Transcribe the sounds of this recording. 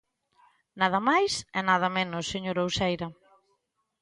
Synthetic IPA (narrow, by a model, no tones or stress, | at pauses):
naðɐmajsɛnað̞ɐmẽnʊsːeɲoɾowsejɾɐ